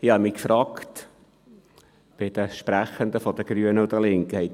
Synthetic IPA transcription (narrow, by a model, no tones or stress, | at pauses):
ɪhɑmikfɾɑːkt̪ | b̥ɪd̥̪əʃpɾæχənd̪əfɔd̪əɡ̥ɾyənəʊd̪əlɪŋkəhɛɪt